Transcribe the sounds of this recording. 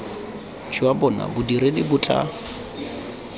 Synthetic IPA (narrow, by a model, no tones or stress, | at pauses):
t͡ʃʰiwabɔna̰bʊdiɾedibʊt͡ɬʼa̰